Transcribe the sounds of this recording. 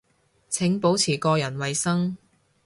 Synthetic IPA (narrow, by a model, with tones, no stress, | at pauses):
t͡sʰɪ˨˥ŋpo˨˥wt͡sʰiː˨˩kɔː˧jɐ˨˩nwɐ˨jsɐ˥ŋ